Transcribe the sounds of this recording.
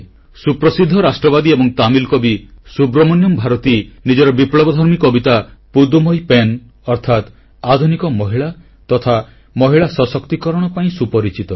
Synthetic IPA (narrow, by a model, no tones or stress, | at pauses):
supɾɔsid̪ʱːɔɾasʈɾɔbad̪iebɔŋt̪amilkɔbisubɾɔmɔnjɔmbʱaɾɔt̪inid͡ʒɔɾɔbipɭɔbɔd̪ʱɔɾmikɔbit̪apud̪umɔjpen | ɔɾt̪ʰat̪ | ad̪ʱunikɔmɔɦiɭa | t̪ɔt̪ʰa | mɔɦiɭasɔsɔkt̪ikɔɾɔɽ̃ɔpaĩsupɔɾit͡ʃit̪ɔ